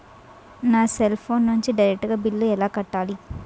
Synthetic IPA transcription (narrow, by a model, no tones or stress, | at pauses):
naːselpʰoːnːuɲt͡ʃiɖɐjɾek̚ʈɡaːbilːuɛlaːkɐʈːaːli